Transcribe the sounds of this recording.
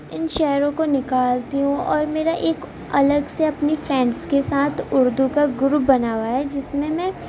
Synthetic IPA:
ɪnʃɛɦɾõkonɪkaːlt̪iɦũɔːɾmeːɾaʔeːk | ɐləɡseɐpnifɾɛ̃ːɳɖskesaːt̪ʰʊɾd̪ukaɡʊɾubɐnaːwaɦɛd͡ʒɪsmẽmɛ̃

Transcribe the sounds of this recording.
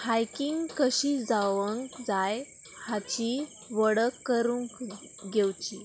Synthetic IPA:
hajkiŋɡkəɕid͡zaʋəŋkd͡zaj | hat͡ɕi | ʋəɽəkːəɾuŋk | ɡewt͡ɕi

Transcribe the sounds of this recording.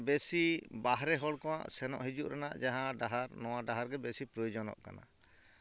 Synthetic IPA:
besibaɦɾɛɦɔɽkɔwa̰ʔsɛnɔ̰ʔɦid͡ʒuʔɾanaʔd͡ʒaɦãɖaɦaɾnɔwaɖaɦaɾɡɛbesipɾɔjud͡ʒɔnɔ̰ʔka̰na̰

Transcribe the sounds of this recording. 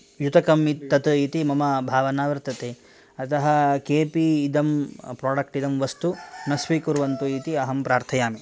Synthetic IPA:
jut̪ɐkɐmit̪ːɐt̪uit̪imɐmɐbʱaːʋɐnaːʋɐɾt̪ɐt̪eː | ɐt̪ɐɦɐ̆keːpiːd̪ɐmpɾaːɖɐk̚ʈid̪ɐmʋɐst̪unɐsʋikuɾʋɐnt̪uit̪iɐɦɐmpɾaːɾt̪ʰɐjaːmi

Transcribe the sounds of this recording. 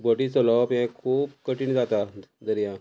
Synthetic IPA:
bəʈit͡səlɔpɛ̃kʰuːpkəʈiːɳd͡zat̪ad̪əɾjã

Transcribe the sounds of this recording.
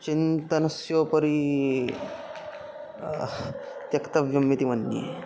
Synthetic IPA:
t͡ɕint̪ɐnɐsjopɐɾi | t̪jɐkt̪ɐʋjɐmːit̪imɐnːḭ

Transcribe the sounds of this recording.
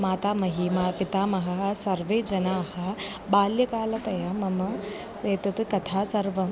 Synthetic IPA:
maːt̪aːmɐɦiːmapit̪aːmɐɦɐɦɐsɐɾʋeːd͡ʒɐnaːhɐ | baːljɐkaːlɐt̪ɐjamɐmɐ | eːt̪ɐt̪ɨkɐt̪ʰaːsɐɾʋɐ

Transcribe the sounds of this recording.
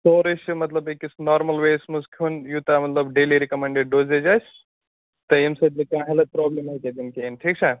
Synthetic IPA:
soːɾiʃmɐt̪lɐbekisnaːɾmɐlʋeːsmuskʲʰunjuːt̪amɐt̪lɐbɖeːliɾikɐmeɳɖeɖ̚ɖoːzed͡ʒas | t̪ɐjimsɐd̪likãːɦɐlɐt̪̚pɾɔːblemɐked̪inkenʈʰiːk̚t͡ʃʰa

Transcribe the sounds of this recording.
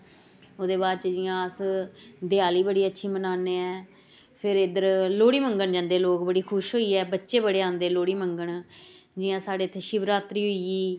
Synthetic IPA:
oːd̪eːβaːd̪t͡ʃd͡ʒɪjãːəsd̪ɪjaːliːbəɽiːətːʃʰiːmənaːneːɛː | pʰɪɾɪd̪əɾloːɽiːməŋɡəɳd͡ʒãːnd̪eːloːkbəɽiːkʰʊʃɦoːiːɛːbətːʃeːbəɽeːãːnd̪eːloːɽiːməŋɡəɳ | d͡ʒɪjãːsaːɽeːt̪ʰːeːʃɪbɾaːt̪ɾiːɦoiːiː

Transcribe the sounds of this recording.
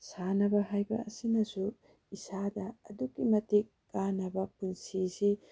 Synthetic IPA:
sanɐbɐɦajbɐ̰ɐ̰sinɐsu | isadɐːdukːimɐtikːanɐbɐpunsisi

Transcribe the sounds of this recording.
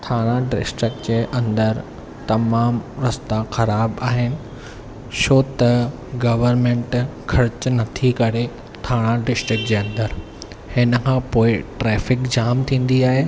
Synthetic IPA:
t̪ʰaːɽ̃ãɖɪ̰sʈɾɪk̚d͡ʑeːʔɐ̃nd̪əɾ | t̪ɐmaːmɾɐst̪axɐɾaːbaːɦɪnɪ̆ | soːt̪ɐ | ɡɐʋəɾmẽɳʈkʰɐɾɪt͡ɕnɐt̪ʰikɐɾe | t̪ʰaːɽ̃ãɖɪsʈɾɪk̚d͡ʑeːɐ̃nd̪əɾ | hɪnəkʰãːpoːɪʈɾɛːfɪkd͡ʑaːmt̪ʰĩːn̆d̪iaːɦeː

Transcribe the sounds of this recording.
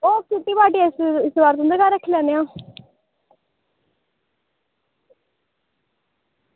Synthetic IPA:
oːkɪt̪iːbaːʈiːaɪsɪsbaːɾt̪ʊ̃nd̪əɾkaːɾəkʰːlɛ̃ːneãː

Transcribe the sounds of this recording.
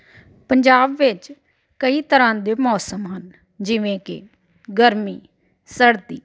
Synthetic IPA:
pəɲd͡ʒaːbʋɪt͡ʃ | kəiːt̪əɾãːd̪eːmɔːsəmɦən | d͡ʒɪʋẽːkɪ̰ | ɡəɾmiː | səɽt̪ḭː

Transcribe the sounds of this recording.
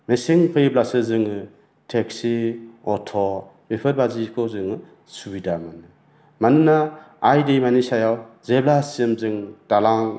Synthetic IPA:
mesiŋpʰɯjblasɯzɯŋɯ | tʰeksiɔtʰɔ | bepʰɯɾbazikʰɔzɯŋɯ | subidamanɯ | manɯnaː | jdejmanisajawzeblasiɯmzɯŋd̥alaŋ

